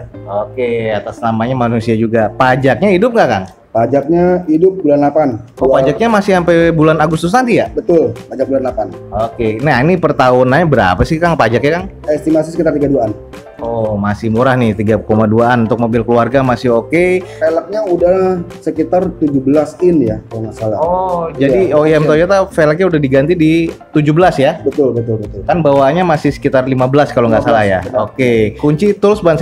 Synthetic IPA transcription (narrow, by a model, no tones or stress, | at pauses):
okeat̪asnamaɲamanusiad͡ʒuɡapad͡ʒak̚ɲaidʊp̚ŋɡaʔka̰n | pad͡ʒak̚ɲaidʊp̚bulanlapan | ɔpad͡ʒak̚ɲamasɪhsampebulanaɡʊst̪ʊs̬nant̪ijabət̪ʊlpad͡ʒak̚bulanlapan | okenainipərt̪aunaɲabəɾa̰pasɪhkaŋpad͡ʒak̚ɲakan | ɛst̪imasisəkit̪art̪iɡaduaʔan | ɔmasɪhmuɾahnɪht̪iɡakomaduaʔanunt̪ʊk̚mobɪlkəluarɡamasɪɦokefelək̚ɲaudasəkit̪art̪ud͡ʒubəlasɪnjakaloŋasalahɔd͡ʒadioɛmt̪od͡ʒot̪afelək̚ɲaudahdiɡant̪idit̪ud͡ʒubəlasjabət̪ʊlbət̪ʊlbət̪ʊlkanbawaɲamasɪhsə̥kit̪arlimabəlaskaloŋɡaʔsalahja̰okekuɲt͡ʃit̪əɾʊsbans